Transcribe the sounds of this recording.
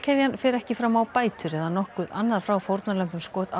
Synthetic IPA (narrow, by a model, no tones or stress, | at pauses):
cʰɛðjanfɛɾɛhcɪfɾaːmawpaːjt̪ʏɾɛðanɔhkʏðanːaðfɾawfowɾt̪nalœmpʏmskɔːt̪a̰